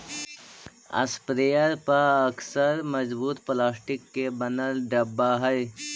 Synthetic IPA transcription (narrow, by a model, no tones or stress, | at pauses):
ɐ̰spɾejəɾpəɾɐksəɾməzbuːt̪plaːsʈɪkːebənəlɖɐbːaɦɛj